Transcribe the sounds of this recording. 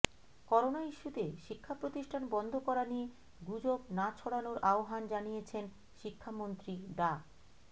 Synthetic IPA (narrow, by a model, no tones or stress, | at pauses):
kɔɾonaiʃːut̪eʃikʰːapɾot̪iʃʈʰanbɔnd̪ʱokɔɾanie | ɡud͡ʑobnat͡ɕʰoɽanoɾʔaoɦand͡ʑanijet͡ɕʰen | ʃikʰːamont̪ɾiɖ̪a